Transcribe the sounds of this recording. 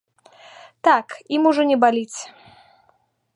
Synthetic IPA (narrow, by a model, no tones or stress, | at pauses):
t̪akimuʐɔnʲɛbalʲit͡sʲ